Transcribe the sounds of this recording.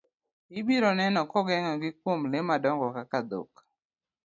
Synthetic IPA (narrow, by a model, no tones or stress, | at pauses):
ɪbiɾɔnɛnɔkɔɡɛŋɔɡɪk̚womlɪmadɔŋɡɔkakad̪o̰k